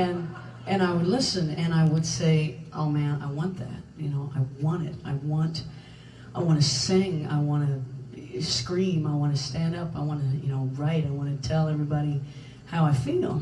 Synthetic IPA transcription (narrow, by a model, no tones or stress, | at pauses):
ɨ̃n | ʔɨ̃naɪwədˡlɪsɨ̃nɨ̃ñaɪwəd̥seɪʔoʊmæ̃na̰ɪwɑ̃nðæ̰t̚jɨnoʊʔaɪwɑ̃ɾ̃ɪ̰taɪwɑ̃nt | ʔaɪwɑ̃ñɨsɪ̃ŋa̰ɪwɑ̃ñɨ | skɹĩmaɪwɑ̃nɨstæ̃ndʌpaɪwɑ̃nɨjɨ̰noʊɹaɪɾaɪwɑ̃ñɨtʰɛlˠɛvɹibɑɾi | haʊaɪfilˠ